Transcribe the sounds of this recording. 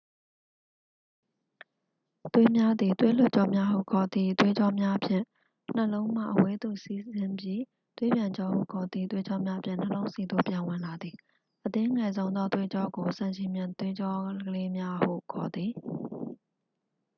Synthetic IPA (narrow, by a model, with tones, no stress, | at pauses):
t̪we˦mja˦d̪ði˨t̪we˦l̥ʊ˦ʔ̚t͡ɕɔ˦˨mja˦hṵ˦˨kʰɔ˨d̪ði˦˨t̪we˦d͡ʑɔ˦mja˦ʔpʰjɪ̰̃˦˨ | n̥əlõ˦ʊ̃m̥a̰˦˨ʔəwe˦d̪o̰˦˨si˦zɪ̃˦mbji˦ | t̪we˦bjã˨ɲd͡ʑɔ˦hṵ˦˨kʰɔ˨d̪ḭ˦˨t̪we˦d͡ʑɔ˦mja˦ʔəpʰjɪ̰̃˦˨n̥ə˨lõ˦ʊ̃nsi˨d̪o̰˦˨pjã˨wɪ̃˨la˨d̪i˨ | ʔət̪ɪ̃˦ŋɛ˨zõ˦ʊ̃nd̪ðɔ˦t̪we˦d͡ʑɔ˦ɡo˨sã˦˨ʃɪ̃˨mjã˨nt̪we˦d͡ʑɔ˦ɡəle˦mja˦hṵ˦˨kʰɔ˨d̪ði˨